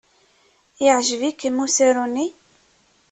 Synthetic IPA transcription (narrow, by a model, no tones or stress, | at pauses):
jəʕʒəvikːəmuseɾuni